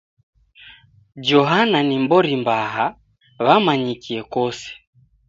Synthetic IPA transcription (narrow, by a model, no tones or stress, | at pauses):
d͡ʒɔɦananimbɔɾimbaɦa | βamaɲikiɛkɔsɛ̥